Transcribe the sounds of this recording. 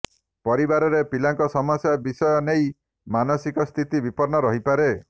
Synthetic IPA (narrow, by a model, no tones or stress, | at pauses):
pɔɾibaɾɔɾepilaŋkɔsɔmɔsjabisɔjɔnej | manɔsikɔst̪ʰit̪ibipɔɾnɔɾɔɦipaɾe